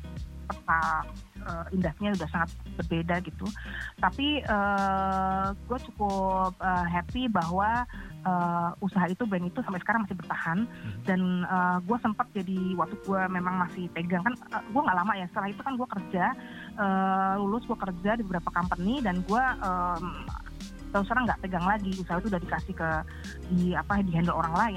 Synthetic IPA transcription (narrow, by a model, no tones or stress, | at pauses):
pət̪a | əːindasɲaudahsaŋat̪̚bərbedaɡit̪ut̪apiə | ɡ̥uat͡ʃukʊp̚əɦɛpibaɦwaəːusaɦait̪ubɛŋit̪usampɛʔsə̥kaɾaŋmasɪhbərt̪ahandanəːɡuasəmpat̪̚d͡ʒadiwak̚t̪uɡuamemaŋmasɪhp̪eɡaŋkanəɡuaŋɡaʔlamaʔjasə̥t̪əɾahit̪ukanɡuakərd͡ʒa | ʔəːlulʊsɡuakərd͡ʒadibəbəɾapakampənːɪdanɡuaʔəm | t̪aluskaɾaŋɡaʔpeɡaŋlaɡiusaɦait̪udaɾikasɪhkə | diapadiɦandəloɾaŋlaɪ